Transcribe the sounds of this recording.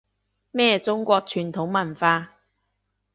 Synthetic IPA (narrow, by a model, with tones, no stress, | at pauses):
mɛː˥˧t͡sʊ˥ŋkʷɔː˧k̚t͡ʃʰyː˨˩nt̪ʰʊ˨˥ŋmɐ˨˩nfaː˧